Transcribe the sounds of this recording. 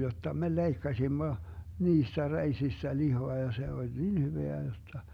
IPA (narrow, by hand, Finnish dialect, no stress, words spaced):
jotːɑ me leikːɑsimːo niːstæ reisistæ lihoɑ jɑ se olʲ niːn hyʋeæ jotːɑ